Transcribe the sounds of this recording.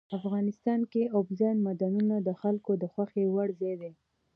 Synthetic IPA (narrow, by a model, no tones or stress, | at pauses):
afɣɑnɪst̪ɑnkeobzɑnmad̪anunad̪əxalkod̪əxwaxewaɽzed̪e